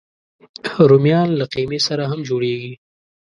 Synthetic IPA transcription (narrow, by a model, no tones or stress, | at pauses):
ɾʊmjɑːnlaqimesaɾaɦamd͡ʒoːɽeɡi